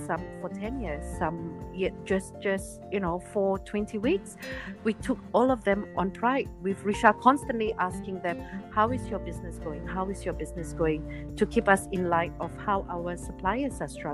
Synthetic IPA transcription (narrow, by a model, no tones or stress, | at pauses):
sʌ̃mfətʰɛ̃njiɹz̥ːʌ̃mjɛt̚d͡ʒ̥ʌsd͡ʒ̥ʌstjɨnoʊfɔtʰw̥ɛ̃ntʰiwikswitʰʊkɔlˠɔvðɛ̃mʔɔ̃npʰɹ̥aɪd̚wivɹiʃakʰɔ̃nstə̃nʔliʔaskɪ̃ŋðɛ̃mhaʊɪzjəbɪznɨsɡ̥oʊɪ̃ŋhaʊɪzjəbɪznɨsɡ̥oʊɪ̃ŋ | tʰukʰipʌsɪ̃nlaɪtɔv̥haʊʔaʊə˞səpʰl̥aɪəsastɹʌ